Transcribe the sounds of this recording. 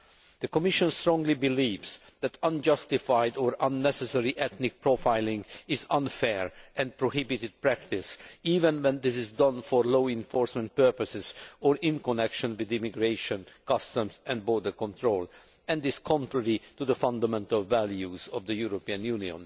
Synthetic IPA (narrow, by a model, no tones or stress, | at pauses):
d̪̥əkɔmɪʃɔ̃nstɹɔ̃ŋɡlibiliːvz̥ | ðæt̪ʌ̃nd͡ʒʌst̪ifaɪdɔɹʌ̃nːɛsɛsɛɹiʔɛt̪nɪk̚pɹofaɪlɪ̃ŋɡɪzʌ̃nfɛɹʔɛ̃nd̚pɹohɪbit̪ɪd̪̚pɹækt̪ɪsiːvɛ̃nwɛ̃nd̪ɪsɪzdʌ̃nfɔɹloːɪ̃ɱfɔɹsmɛ̃nt̪̚pɜɹpəsɪzɔɹɪ̃nkɔnɛkʃɔ̃nwɪd̪ɪmiɡɹeɪʃɔ̃nkʌst̪ə̃mzɛ̃nd̚bɔɹdəɹkɔ̃nt̪ʰɹoːl | ɛ̃ndɪz̥kʰɔ̃ntɹɛɹit̪ud̪əfʌ̃nd̪əmɛ̃nt̪əlˠvæljuzɔvd̪əjuɹopiə̃njuniɔ̰̃n